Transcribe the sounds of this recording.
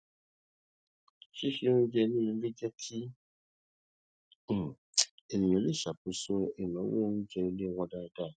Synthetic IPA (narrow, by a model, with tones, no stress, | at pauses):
ʃi˦ʃi˦nũ˦d͡ʒɛ˧nĩ˦ĩ˧le˦d͡ʒɛ˦tʰi˦˨ | e˨nĩ˨õ˨le˦˨ʃa˨po˨˦so˧e˨nãɔ̃˨˦wo˦nũ˦d͡ʒɛ˧i˧le˦˨wɔ̃˧da˦˧da˦˨